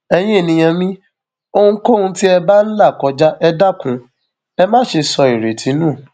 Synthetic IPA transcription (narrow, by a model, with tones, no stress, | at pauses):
ɛ˧j̃ĩ˦e˦˨nĩ˧j̃ã˧mĩ˦ | o˧ũ˦ko˦ũ˧ti˦ɛ˧ba˦n̩˦la˦˨kɔ˨˦d͡ʒa˦ʔɛ˧da˦kũ˨˦ | ɛ˧mãː˦˨˦ʃe˧sɔ˧i˨ɾe˨tʰi˨˦nũ˦˨